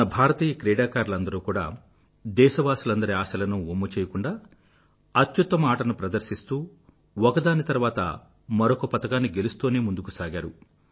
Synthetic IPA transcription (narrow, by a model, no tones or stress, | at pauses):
ɐbʱaːɾɐt̪iːjɐkɾɛːɽaːkaːɾlɐnd̪ɐɾuːkuːɽa̰ː | d̪ɛːʃɐʋaːsulɐnd̪ɐɾiaːʃɐlɐnuomːɐt͡ʃɛːjɐkuɳɖaː | ɐt̪jut̪ːɐmaːʈɐnupɾɐd̪ɐɾʃist̪uː | ɔkɐd̪aːnit̪ɐɾʋaːt̪ɐ̰ | mɐɾokɐpɐt̪ɐkaːnːiɡe̞lust̪oːne̞ːmund̪ukusaːɡaːɾṵ